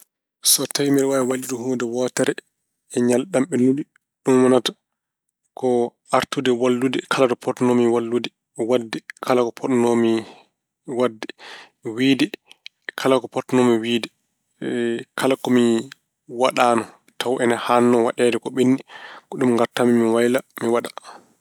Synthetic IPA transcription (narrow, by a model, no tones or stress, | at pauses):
sɔtajmɛlwajɛwaliɾɔɦuːdɛwɔːtɛɾɛ | ɛɲalɗamɓɛnuli | ɗumwanatḁ | kɔʔaɾtudɛwalːudɛkʰalatɔpʰɔtnomiwalːudɛ | wadːɛkʰalakɔpʰɔnomi | wadːɛ | wiːdɛ | kʰalakɔpɔtnomiwiːdɛ | kʰalakɔmi | waɗaːnɔ | tawʔɛnahanːɔwaɗɛːdɛkɔɓinːikɔɗumŋɡaɾtamimiwajlamiwaɗa